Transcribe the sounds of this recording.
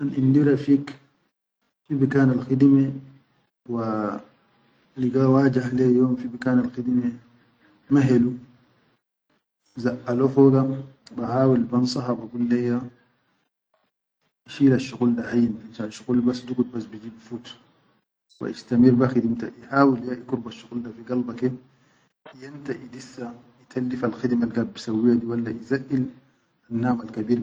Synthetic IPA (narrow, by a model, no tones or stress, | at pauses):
ʔanʔindiɾafiːk | fibikaːnalxid̪ime | wa | liɡawaːd͡ʒahlejoːmfibikaːnalxid̪ime | maɦelu | zaʔalofoɡabahaːwilbansˤɑɦabaɡulːeja | iʃiːlaʃːuɣuldahajːininʃaʃuɣulbasːd̪uɡut̪̚basbid͡ʒiːbfuːt̪ | wa̰ʔist̪amiɾbaxid̪imt̪aʔiħaːwiljaʔikuɾbaʃːuɣuldafiɡɑlbake | jant̪aʔid̪isːa | it̪ʰalːifalxid̪malɡabbːisawːijad̪iwalːaʔizaʔil | anːaːmalkabiːɾ